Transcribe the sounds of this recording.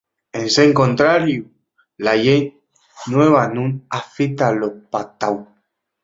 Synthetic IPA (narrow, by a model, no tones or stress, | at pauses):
enseŋkont̪ɾaɾju | lajej | nweβanũnafit̪alopat̪aw